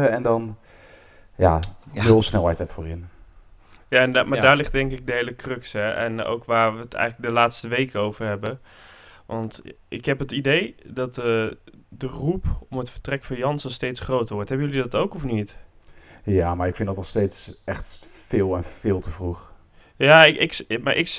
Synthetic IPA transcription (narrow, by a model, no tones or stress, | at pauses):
əɛndɑn | ja̰ːnɵlˠsnɛlˠɦɛjtɛtfoːɹɪn | jaɛnmadaːɹlɪχt̚dɛŋkɪk̚dəɦejləkrɵksɛʔɛ̰no̰wkʋaːɹʋəətɛ̰jχləɡ̚dəlaːtstəʋejkəowvəɹɦɛbə | ʋʔɑntʔɪkɦɛpətidejdɑtədərupɔmətfəɹtrɛkfɑnjɑnsənstejtsχrowtəɹʋɔɹtɦɛbəjølidɑtowkɔfnit | jaːmaɹɪkfɪndɑtnɔχstejtsʔɛχtfɪːlˠɛnfɪːlˠtəvruχ | jaːɪkɪkma̰ʔɪk